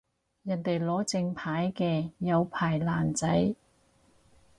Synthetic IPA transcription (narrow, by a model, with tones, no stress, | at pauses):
jɐ˨˩nt̪e˨jlɔː˨˥t͡sɪ˧ŋpʰaː˨˥jkɛː˧jɐ˨˧wpʰaː˨˩jlaː˨˩nt͡sɐ˨˥j